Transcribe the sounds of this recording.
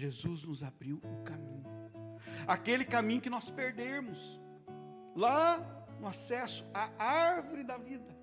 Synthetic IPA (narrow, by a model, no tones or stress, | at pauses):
ʒezuznʊzabɾiwʊkamĩɲʊ | akelɪkamĩɲʊkɪnɔspeɾd̪eɾmʊs | la | nʊasɛsʊ̥aaɾvʊɾɪd̪ɐvid̪ɐ